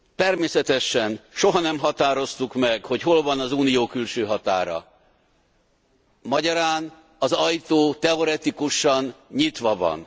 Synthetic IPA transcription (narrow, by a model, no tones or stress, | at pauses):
t̪ɛrmeːsɛt̪ɛʃɛnʃo̞ɦɒnɛmɦɒt̪aːɾo̞st̪ukmɛɡho̞cɦo̞lvɒnɒzuːnijoːkylʃøːɦɒt̪a̰ːɾɒ̰ | mɒɟɒɾaːn | ɒzɒjt̪oːt̪ɛo̞ɾɛt̪ikuʃɒnɲit̪ʋɒvɒ̰n